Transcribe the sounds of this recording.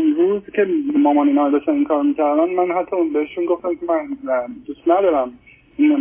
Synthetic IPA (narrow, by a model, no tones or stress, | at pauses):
enɾuːzcʰe̞mɒːmɒːniːnɒːɾd̪eʃt̪æninkʰɒːɾmiːcʰæɾd̪ænd̪mænɦat̪ʰːɒunbeheʃunɡo̞ft̪æmkʲemænd̪ust̪næd̪ɒːɾæm | in